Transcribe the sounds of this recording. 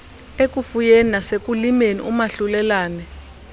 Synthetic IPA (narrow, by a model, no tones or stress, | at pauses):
ek̬ufujeninasek̬ʼulimenḭʔumaɬulɛlaːnɛ